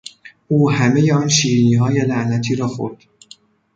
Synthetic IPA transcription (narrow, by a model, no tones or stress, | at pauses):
ʔuːhæmejeɒːnʃiːɾiniːɦɒːjelæʔnæt̪ʰiːɾɒːxo̞̰ɾd̪̥